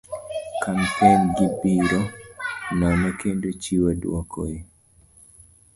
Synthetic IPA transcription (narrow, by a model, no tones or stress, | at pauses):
kampenɡibiɾo | namakendot͡ʃiwadwɔkʰoi